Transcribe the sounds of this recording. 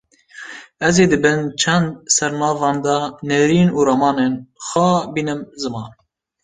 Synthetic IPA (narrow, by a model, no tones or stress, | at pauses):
ɛzeːd̪ɨbɨnt͡ʃʰɛnd̪̚sɛɾnɑːvɑːnd̪ɑnɛɾiːnuːɾɑmɑːnenxɑbinɨmzɨmɑːn